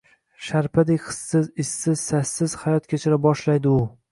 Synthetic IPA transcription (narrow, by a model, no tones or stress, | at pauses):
ʃaɾpʰad̪ejχɨ̥sːɪzɪsːɪzsasːɪz̥hajɒt̪̚kʲʰet͡ʃʰɪɾabɒʃlajd̪ɪʊ